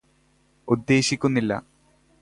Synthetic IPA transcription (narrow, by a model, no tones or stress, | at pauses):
ud̪ːe̞ːɕikʲːunːilːɐ̰